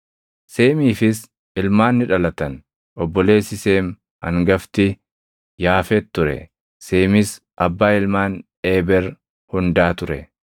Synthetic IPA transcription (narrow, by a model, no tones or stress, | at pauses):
se̞ːmiːfɪs | ɪlmaːnːɪᶑɐlɐt̪ɐn | ɔbːɔle̞ːsɪse̞ːm | hɐ̰ŋɡɐft̪ɪ | jaːfɛt̪ːʊɾɛ̰ | se̞ːmɪs | ʔɐbːaːɪlmaːnᶑeːbɛɾ | hʊnd̪aːt̪ʊɾɛ̰